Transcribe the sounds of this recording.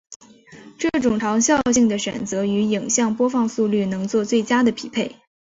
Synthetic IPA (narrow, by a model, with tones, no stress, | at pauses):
ʈ͡ʂɤ˥˩ʈ͡ʂʊ˨˩ŋʈ͡ʂ̪ʰɑ˧˥ŋɕjɑ˥˧ʊɕi˥˩ŋd̪ə˩ɕɥɛ̰˨˩nt͡sɤ˧˥y˧˥i˨˩ŋɕjɑ˥˧ŋpwɔ˥fɑ˥˧ŋsu˥˧ly˥˩nɤ˧˥ŋt͡swɔ˥˧t͡swe˥˩ɪt͡ɕja˥d̪ə˨pʰi˨˩pʰe˥˩ɪ